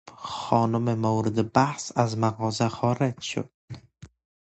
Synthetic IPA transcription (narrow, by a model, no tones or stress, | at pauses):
χɒːnʊmɪmawɾɪd̪ɪbahsazmaɣɒzaχɒːɾed͡ʒʃʊ̰d̪̥̚